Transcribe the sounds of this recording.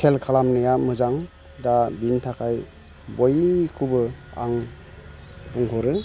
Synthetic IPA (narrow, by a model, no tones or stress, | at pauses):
sʰelkʰalamnajamɯzaŋ | dabintʰakʰaj | bojkʰubɯa̰ŋ | buŋkʰɔɾɯ